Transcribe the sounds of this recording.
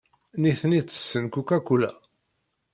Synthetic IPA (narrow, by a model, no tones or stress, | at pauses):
niθnit͡sːə̥sːənkukækʷːulæ̰